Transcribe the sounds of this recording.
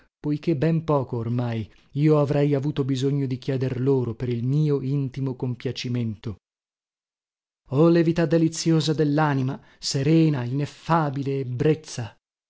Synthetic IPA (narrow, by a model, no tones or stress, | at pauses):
pojk̟ebːɛmpɔːkoːrmaj | iːoavɾɛjavuːt̪obizoɲːod̪ikjɛːd̪erloːɾopeɾilmiːoint̪imokompjat͡ʃiment̪o | ɔlevit̪ad̪ːelit̪sːjoːzad̪elːaːnima | seɾɛːnainefːaːbileːbɾet̪sːa